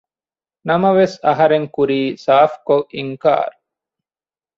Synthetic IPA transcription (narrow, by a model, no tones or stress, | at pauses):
nɐmɐʋesɐɦɐɾeŋkuɾiːsaːfkoʔiŋka̰ːɾ